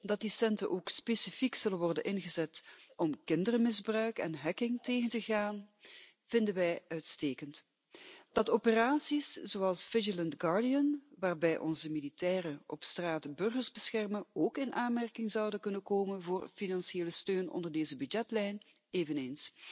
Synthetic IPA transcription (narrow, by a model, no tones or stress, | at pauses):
dɑt̚disɛntə̰ʔoːkspeːsifiksɵlənʋɔrdənʔɪnɣəzɛtɔmkɪndərəmɪzbrœɥkɛ̰nɦɛkɪŋteːɣəntəɣaːn | v̥ɪndənʋɛjœɥtsteːkənt | d̥ɑtopəraːsisz̥oɑlˠsv̥ɪd͡ʒələntɡɑɹdijənʋaːrbɛjʔɔ̰nzəmilitɛːrəʔɔpstraːtbɵrɣəɹzbəsxɛrmənoːkɪnʔaːnmɛrkɪŋzɑwdəkɵnənkoːmənvoːrfinɑnsieːləstøːnɔ̰ndərdeːzəbydɛtlɛjn | eːvəneːns